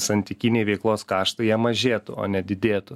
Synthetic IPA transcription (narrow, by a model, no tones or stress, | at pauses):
sɐnʲt̪ʲɪkʲinʲeɪʋʲɛɪklˠoːskɑːʃt̪ɐɪjɛmɐʒʲeːt̪ʊo̰ːnʲɛd̪ʲɪd̪ʲeːt̪ʊ